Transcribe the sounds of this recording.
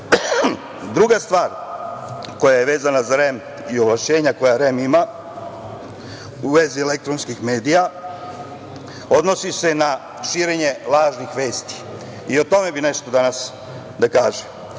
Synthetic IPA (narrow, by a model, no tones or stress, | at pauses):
d̪ɾuɡast̪ʋaːɾ | ko̞jaje̞ʋe̞ːzanazaɾem | io̞ʋlat͡ʃe̞ːɲako̞jaɾemima | uʋe̞zielek̚t̪ɾo̞nskixme̞ːd̪ija | o̞d̪no̞sise̞na | ʃiːɾeɲe̞laːʒnixʋe̞ːst̪i̥ | io̞t̪o̞me̞bine̞ʃt̪o̞d̪anas | d̪akaːʒem